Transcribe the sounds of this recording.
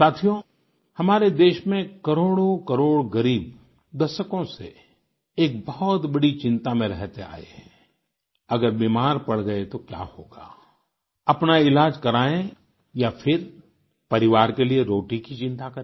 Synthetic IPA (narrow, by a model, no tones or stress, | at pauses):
saːt̪ʰijo | hɐmaːɾed̪eːʃmẽkɐɾoːɽokɐɾoːɽɡɐɾiːb | d̪ɐʃəkõsḛ | eːk̚bɐɦɔt̪bɐɽit͡ʃɪ̃nt̪amẽɾɛɦt̪ea̰ːḛɦɛ̃ | ɐɡəɾbiːmaːɾpɐɽ̤ɡɐet̪okja̰ːhoːɡa̰ː | ɐpnaɪlaːd͡ʒkɐɾaːẽ | jafʰɪɾ | pɐɾɪʋaːɾkelieɾoːʈikit͡ʃɪ̃nt̪akɐɾe